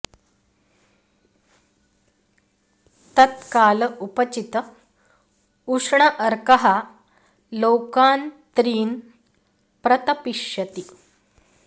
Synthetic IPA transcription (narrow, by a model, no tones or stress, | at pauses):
t̪ət̪kalupət͡ɕit̪ə | uʂɳəʔəɾkəɦa | lowkaːnt̪ɾiːn | pɾət̪əpiʂjət̪i